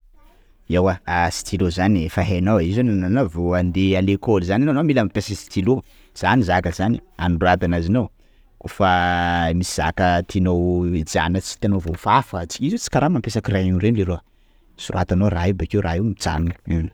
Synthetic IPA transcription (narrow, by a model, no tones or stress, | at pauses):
ewaasi̥t̪ilozaniefaɦenawizannanavoand̪ealekolzanananomilamipesakəsi̥t̪ilo | z̥anizakəzania̰nuɖ͡ʐoab̪anazinow | kofəmisiz̥a̰kət̪ʰinowd͡ʒa̰nət͡si̥t̪anovofafət͡si̥kizit͡si̥kaɾamampesakiranuɾenleɾo | suɾat̪anoraɦibakewrʔaɦiwmit͡sa̰nuin